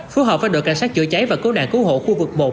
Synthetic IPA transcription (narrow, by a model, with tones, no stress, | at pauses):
fu˨˦˥ɦɔː˨˩p̚faː˧˩jɗo̰˧˨jka̰˧˩ŋsaː˦˥k̚t͡ɕɨ̰˧˨ət͡ɕa˨˦jvaː˨˩kɨ˨˦ɗa̰ː˧˨ŋkɨ˨˦ho̰˧˨xu˧vɨ˨˩k̚ɓo̰˧˨˩